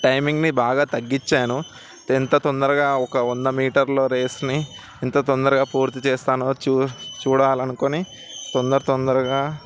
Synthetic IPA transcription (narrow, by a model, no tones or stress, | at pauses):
ʈɐjmiŋɡnibaːɡaːt̪ɐɡːit͡ʃːaːnu | ɛnt̪ɐt̪ond̪ɐɾɐɡaːɔkɐɔnːɐmiːʈɐɾlo̞ːɾeːsni | ɛnt̪ɐt̪ɔnd̪ɐɾɐɡaːpuːɾt̪it͡ʃɛːst̪aːnoːt͡ʃːt͡ʃuːɽaːlɐnukoni | t̪ond̪ɐɾɐt̪ɔnd̪ɐɾɐɡaː